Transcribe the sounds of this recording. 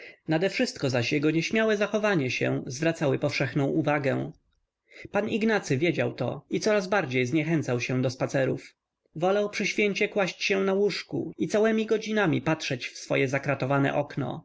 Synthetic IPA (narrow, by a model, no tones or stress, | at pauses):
nad̪ɛfʂɘst̪̚kɔzaɕjɛɡɔɲɛɕmʲjawɛzaxɔvaɲɛɕɛ̰̃zvɾat̪sawɘpɔfʂɛxnɔ̃w̃uvaɡɛ̃ | paniɡnat̪sɘvʲjed͡ʑa̰wt̪ɔ̰it̪sɔɾazbaɾd͡ʑejzɲɛxɛnt̪sawɕɛd̪ɔspat̪sɛɾṵf | vɔlawpʂɘɕfʲjeɲt͡ɕɛkwaɕt͡ɕɕɛnawuʂkṵit̪sawɛmʲiɡɔd͡ʑinamʲipatʂɛt͡ɕfsfɔ̰jɛzakɾat̪ɔvanɛ̰ʔɔknɔ̰